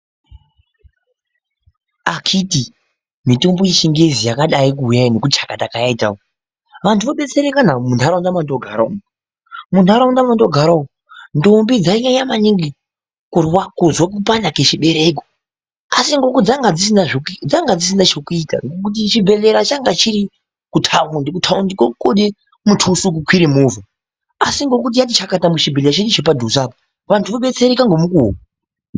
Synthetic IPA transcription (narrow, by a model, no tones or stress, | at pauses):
akʰiti | mito̞mbojiʃiŋɡezijakaɗaikuɦujaino̞kut͡ʃḁkatakajaitao | ʋantuʋoɓe̞t͡se̞ɾekanamundaɾaundamandoɡʱaɾa | mundaɾaundamando̞ɡʱaɾao | ndombid͡zaiɲaɲamaniŋɡi | kuwakozwak̬upandaket͡ʃiɓe̞ɾe̞ko | asiŋɡo̞kud͡zaŋɡad͡zisinaʐokd͡zaŋɡad͡zis̬inat͡ʃokuita̰ŋɡokut̬it͡ʃibʱe̞ɮe̞ɾat͡ʃaŋɡat͡ʃiɾi | kutʰaundikutʰaundikokoɗe | mutʰusuk̬ukʰwiɾimuva | asiŋɡo̞k̬ut̬ijat̬it͡ʃakatamut͡ʃibʱelat͡ʃeɗit͡ʃep̬adʱusaba | ʋantʰuʋoɓe̞t͡se̞ɾekaŋɡo̞mukuɦo̰a